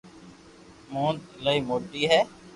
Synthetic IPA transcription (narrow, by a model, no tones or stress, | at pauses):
mõːnd̪ləiːmoːʈiːɦɛː